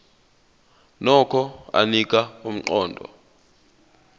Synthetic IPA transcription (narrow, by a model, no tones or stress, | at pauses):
nɔkʰɔa̰nik̬ʼaum̩ǃɔːndʱɔ̰